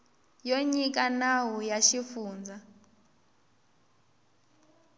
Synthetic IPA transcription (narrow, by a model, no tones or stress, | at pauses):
joɲik̬ʼanawujaʃifuːnd͡zʱa